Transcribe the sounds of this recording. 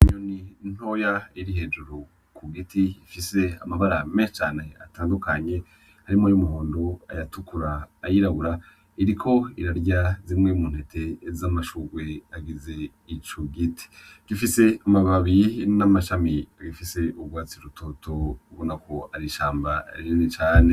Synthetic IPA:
iɲonin̥ho̞jaiɾiɦe̞ːd͡ʒuɾu | kʰuɡitiifise̞a̰maβaɾameʃt͡ʃaːne̞a̰taːndukaɲe̞ | haɾimojumuhoːndoa̰jatukuɾaːjiɾaβuɾa | iɾikʰo̞iɾaɾɟazimŋemuːn̥he̞tʰe̞zamaʃuɡwe̞aɡize̞ | it͡ʃoɡitʰi̥ɡ̥ifise̞amaβaβiinamaʃamiaɡifise̞ʔubɡwaːt͡siɾutʰotʰo̞ɡonakʰo̞aɾiʃaːmbaa̰ɾininit͡ʃaːne

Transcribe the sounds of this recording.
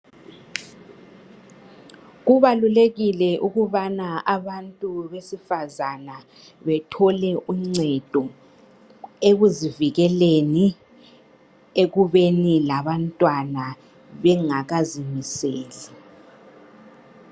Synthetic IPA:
ɣuβaluleɣilɛʔuɣuβanaʔaβantʼuβesifazana | βɛtʰɔlɛʔuŋ͡ǀɛd̥ʱɔ | eɣuziviɣɛleni | eɣuβenilaβantʼwana | βɛŋaɣazimiseːli

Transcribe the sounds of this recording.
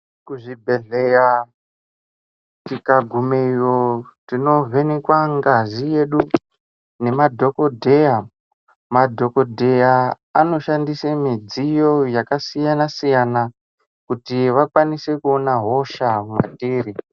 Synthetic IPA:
kuʐibʱe̞ɮeja | tikaɡʱumeijotino̞ve̞nekwaŋɡazije̞ɗu | ne̞madʱo̞ko̞dʱeja | madʱo̞kodʱeja | ano̞ʃandisemid͡zijo̞jakasijanasijana | kutiʋakwanise̞kuonaɦo̞ʃamwa̰tiːɾi

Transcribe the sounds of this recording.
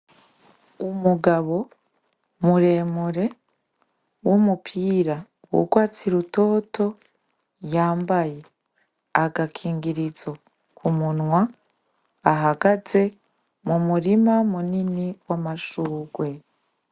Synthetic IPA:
umuɡaβo̞ | muɾe̞ːmuɾe̞ | wumupʰiːɾa | wṵɡwaːt͡siɾuto̞ːto̞ | jaːmbaje̞ | aɡakʰiːŋɡiɾizo | kʰumunŋwa | aɦaɡaze̞ | mumuɾimamuniniwamaʃuːɡwe̞

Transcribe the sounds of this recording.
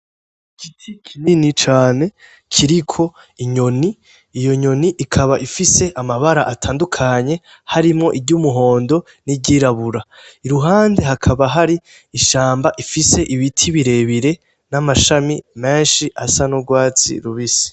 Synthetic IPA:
kʰitʰikʰininit͡ʃaːne̞ | kʰiɾikʰo̞ | iɲo̞niː | jo̞ɲo̞niʔikʰaβaʔifise̞ʔamaβaɾaʔatʰaːndukʰaɲe̞ | haɾimŋo̞̰ʔiɟuːmuɦo̞ːndo̞ | nibɟiːɾaβuɾaiɾuɦaːnde̞ɦakʰaβaɦaɾi | iʃaːmbaʔifise̞ʔiβitʰiβiɾe̞βiɾe̞ | namaʃamime̞ːnʃiʔasanuɡwaːt͡sḭɾuβisi̥

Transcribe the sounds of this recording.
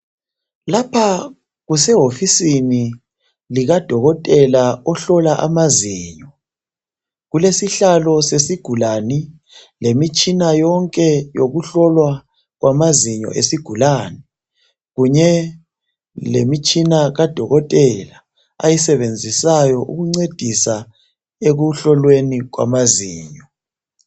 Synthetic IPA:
lapʰa | ɣusɛɦofisini | liɣad̥ʱɔɣɔtʼɛlaɔɬɔlaʔa̰maziːɲɔ | ɣulesiɬalɔsesiɡ̥ʱulani | lemit͡ʃʼinajɔŋkʼɛjo̰ɣuɬɔlwa | ɣwʔamaziɲɔ̰ʔḛsiɡ̥ʱulaːnɛ | ɣuɲɛ | lemit͡ʃʼinaɣad̥ʱɔɣɔtʼɛla | a̰jisɛβend͡zʱisajɔʔṵɣuŋ͡ǀed̥ʱisa | eɣuɬɔlweniɣwa̰maziːɲɔ

